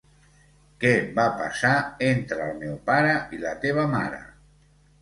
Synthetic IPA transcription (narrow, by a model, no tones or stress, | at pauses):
kɛbapa̰saent̪ɾəlˠmɛwpaɾəʔilət̪eβ̞əmaɾə̰